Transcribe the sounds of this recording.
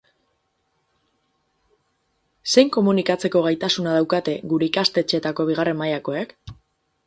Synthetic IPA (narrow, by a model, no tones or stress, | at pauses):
se̞jŋko̞munikat͡se̞ko̞ɣ̞ajt̪asunað̞awkat̪e̞ɣuɾe̞ikast̪e̞t͡ʃe̞t̪ako̞β̞iɣ̞are̞mmajako̞ek